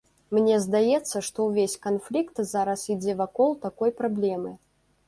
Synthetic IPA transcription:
mnʲɛzd̪ajɛt̪sːɐʂt̪ɔwvʲesʲkanflʲikt̪zaɾɐsid͡zʲɛvakɔlˠt̪akɔjpɾablʲɛmɨ

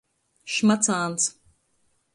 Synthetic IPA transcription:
ʃmat͡saːns

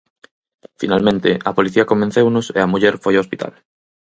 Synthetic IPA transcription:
fḭnalmẽnt̪ɪ̰ɐpoliθiɐkombẽnθewnʊsḛɐmuʎɛɾfojaospit̪ʰa̰l

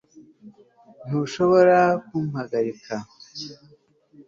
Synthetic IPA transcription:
n̥uʃoβo̞ɾakumhaɡaɾika

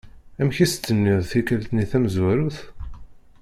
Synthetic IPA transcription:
æmçist̪ːənːiðˤθikælt̪niθæmzwæɾuθ

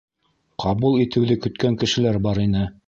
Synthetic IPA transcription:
qʰɑβulˠit̪ɘ̆wðɘkɵ̆t̪kæŋkɘ̆ʃɘ̆læɾbɑɾinɘ

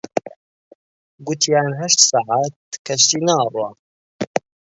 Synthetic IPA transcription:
ɡʊt̪ʰjaːnɦɐʃt̪saʕaːt̪̚kʰɐʃt̪iːnaːrˤwa

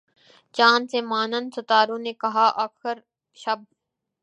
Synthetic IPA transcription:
t͡ʃaːnsemaːnənsʊt̪aːɾõːneːkɐɦaːʔakʰəɾ | ʃɐb̚

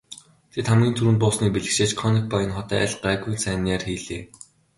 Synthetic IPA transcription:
t̪ʰet̪χamɡʲiːnt̪ʰuɾɘ̆n̚pʊːsniːk̚piɮɘ̆kʃeːt͡ɕkʰɔnik̚pɔjɪ̆nχɔt̪æːæ̰ɮɢaːɡujnsæːnaːrxiːɮeː

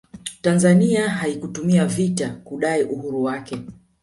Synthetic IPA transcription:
tanzaniaɦaikutumiavitakuɗaiʔuhuɾuwakɛ

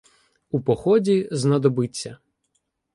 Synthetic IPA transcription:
upɔxɔdʲiznɐd̪ɔbɪt͡sʲːɐ

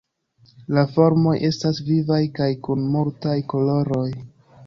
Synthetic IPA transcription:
lafo̞ɾmo̞jʔe̞stasvivajkajkunmultajko̞lo̞ɾo̞j

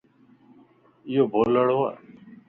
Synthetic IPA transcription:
ɪjoːbʱoləɽoa̰

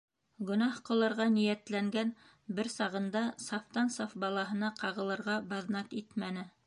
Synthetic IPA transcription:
ɡɵ̆nɑhqŏlˠɤ̆ɾʁɑnijæt̪læŋɡæn | bɘɾsɑʁɤ̆nd̪ɑsɑft̪ɑnsɑfbɑlˠɑɦɤ̆nɑqɑʁɤ̆lˠɤ̆ɾʁɑbɑðnɑkit̪mænɘ

